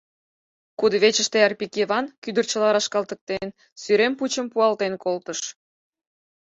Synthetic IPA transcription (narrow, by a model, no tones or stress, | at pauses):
kud̪əβet͡ɕəʃt̪eɑrpikeβɑnkyd̪ərt͡ɕə̆lɑɾɑʃkɑlt̪ə̆k̚t̪en | syɾemput͡ɕəmpuɑlt̪enkolt̪əʃ